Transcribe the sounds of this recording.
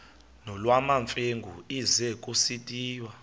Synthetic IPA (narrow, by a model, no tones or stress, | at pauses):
nɔlwamaɱfʼeŋɡʱuizɛkʼusitʼiːwa